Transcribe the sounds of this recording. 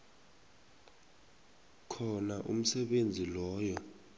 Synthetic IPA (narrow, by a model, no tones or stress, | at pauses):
kʰɔnaʔṵm̩sɛɓend͡zʱilɔːjɔ